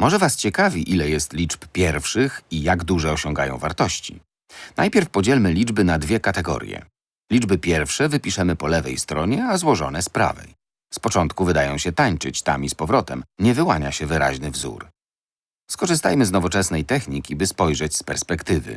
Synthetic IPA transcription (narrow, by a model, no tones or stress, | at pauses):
mɔʐɛvast͡ɕɛkavʲiʔilɛjɛst̪lʲit͡ʂppʲjɛɾfʂɘxijaɡd̪uʐɛɔɕɔŋɡajɔ̰̃w̃vaɾt̪ɔɕt͡ɕḭ | na̰jpʲjɛɾfpɔd͡ʑɛlmɘlʲid͡ʐbɘnad̪vʲjɛkat̪ɛɡɔ̰ɾʲjɛ̰ | lʲid͡ʐbɘpʲjɛɾfʂɛvɘpʲiʂɛmɘpɔlɛvɛjst̪ɾɔɲɛazwɔʐɔnɛspɾa̰vɛ̰j | spɔt͡ʂɔnt̪kuvɘd̪ajɔ̃w̃ɕɛt̪aɲt͡ʂɘt͡ɕt̪amispɔvɾɔt̪ɛmɲɛvɘwaɲaɕɛvɘɾa̰ʑnɘvzṵɾ | skɔʐɘst̪a̰jmɘznɔvɔt͡ʂɛsnɛjt̪ɛxɲikʲibɘspɔjʐɛt͡ɕspɛɾspɛkt̪ɘvɘ̰